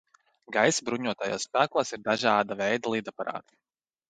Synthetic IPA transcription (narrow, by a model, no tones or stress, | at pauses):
ɡajsbɾuɲuɔt̪aja̰ːssːpæːklˠaːsiɾd̪aʒɑːd̪avɛjd̪alˠiːd̪apaɾa̰ːt̪i̥